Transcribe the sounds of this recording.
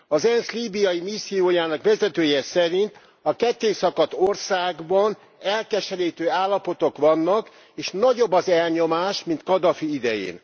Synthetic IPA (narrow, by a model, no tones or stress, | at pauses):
ɒzɛnsliːbijɒjimisːijoːjaːnɒkʋɛzɛt̪øːjɛsɛɾint̪ | ɒkɛt̪ːeːsɒkɒt̪orsaːɡbɒn | ɛlkɛʃɛliːt̪øːaːlːɒpo̞t̪o̞kʋɒnːɒk | eːʃnɒɟo̞bːɒzɛlɲo̞maːʃmint̪kɒd̪ɒfiid̪ɛjḛːn